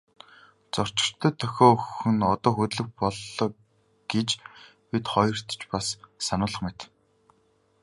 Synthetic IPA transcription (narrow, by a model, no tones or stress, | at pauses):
t͡sɔr̥t͡ɕɪ̆r̥t̪ʰœːt̪ʰːœxʲɔːɵxɵ̆nɔt̪ɔːxut̪ɮɵ̆k̚pɔɮːɞː | ɡ̥et͡ɕ | pit̪χɔjɞ̆r̥t̪t͡ɕpasːanʊːɮə̆χmet̪